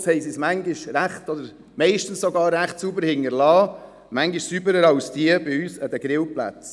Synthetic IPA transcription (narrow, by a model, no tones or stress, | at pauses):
shɛɪsismæŋɡɪʃɾæχtɔd̪əɾ | mɛɪʃtən̩ssɔɡɑːɾːæχtsuːbəɾhɪŋːəɾlɑː | mæŋɡɪʃsyːbəɾəɾɑʊsd̥iəbɪyːsəd̪əɡ̥ɾɪwplæ̰t͡s